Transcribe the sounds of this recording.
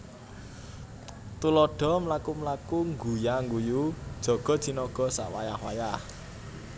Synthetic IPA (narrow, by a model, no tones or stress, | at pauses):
t̪ulɔɖ̥ɔ̤mlakumlakuŋɡujaŋɡujud̥ʒ̥ɔ̤ɡ̥ɔ̤d̥d̪̥i̤nɔɡ̥ɔ̤sa̰ʔwajahwa̰jah